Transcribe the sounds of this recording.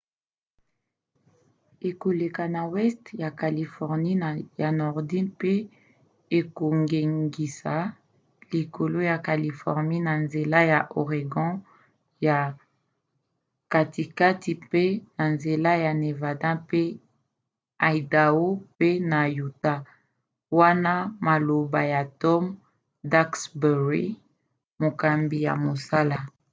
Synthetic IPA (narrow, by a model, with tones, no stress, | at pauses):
e˨ko˨le˨ka˨na˨wɛ˦stja˨ka˨li˨fɔ˨ʁni˦n˨ja˨nɔ˨ʁdi˦npe˦ | e˨ko˨ŋɡe˨ŋɡi˨sa˨˦ | li˨ko˨lo˦ja˨ka˨li˨fɔ˨ʁni˦na˨nze˨la˦ja˨ʔo˨ʁe˨ɡɔ̃˦ | ja˨ | ka˨ti˨ka˦ti˨pe˦na˨nze˨la˦ja˨ne˨va˨dã˦pe˦ | a˨i˨da˨o˦pe˦na˨ju˨ta˦ | wa˦na˦ma˨lo˨ba˨ja˨tɔ˦m | da˦ksbɛ˨ʁi˦ | mo˨ka˨mbi˨ja̰˨mo˨sa˦la˨